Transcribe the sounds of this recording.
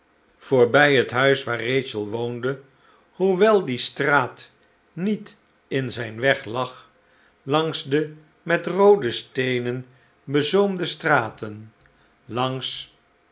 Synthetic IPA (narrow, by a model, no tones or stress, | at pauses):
v̥ʊːɹbɛjətɦœɥsʋaːrejt͡ʃəlˠʋowndə | huʋɛlˠdistraːt | nit | ɪnzɛjnʋɛχlɑχ | lɑŋzdə | mɛtrowdəstejnən | bəzowmdəstraːtən | lɑŋs